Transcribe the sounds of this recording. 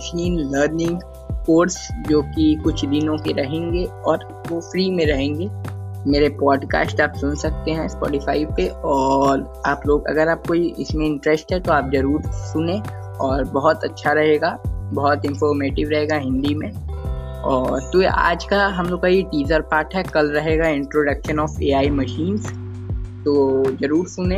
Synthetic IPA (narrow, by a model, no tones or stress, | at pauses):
ʃʰiːnləːɾnɪ̃ŋɡ | koːɾsd͡ʒoːkikʊt͡ʃʰd̪ɪnõkeɾɐɦẽːŋɡeɔːɾ | ofɾiːmẽɾɐɦẽːŋɡeːmeːɾepɔːɖka̰ːsʈaːpsʊnsɐk̚t̪eɦɛ̃spɔ̰ːʈɪfa̰ːiʋpeɔːɾ | aːploːɡɐ̰ɡəɾaːp̚koiʔɪ̰smẽɪ̃ɳʈɾɛsʈɦɛt̪oaːp̚zɐɾuːɾsʊnẽ | ɔːɾbɐɦɔt̪ɐtːʃʰaɾɐɦeːɡaːbɐɦʊt̪ɪ̃nfɔːɾmeːʈɪʋɾɐɦeːɡaɦɪ̃nd̪imẽ | ɔːɾt̪oa̰ːd͡ʒkaɦɐmloːkkaiʈiːzəɾpaːɾʈɦɛkɐlɾɐɦeːɡaɪ̃ɳʈɾoːɖɐkʃə̃nɔːfeːaːimɐʃiːnz | t̪oːd͡ʒɐɾuːɾsʊnẽ